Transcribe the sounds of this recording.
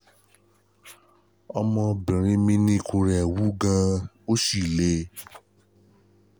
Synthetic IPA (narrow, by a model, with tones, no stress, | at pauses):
ɔ˧mɔ̃˧bĩ˨ɾ̃ĩ˧˦mĩ˦nĩ˦˧˨kũ˧ɾɛ˨wu˨˦ɡã˧ | o˦ʃi˦˨le˨˧˦